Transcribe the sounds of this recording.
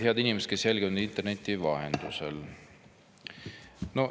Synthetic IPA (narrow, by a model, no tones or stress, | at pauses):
eɑd̪inʲimese̥t̪ke̞sjælɡinud̪int̪erne̞t̪ʲːivɑɦḛnd̪̥usḛl | no̞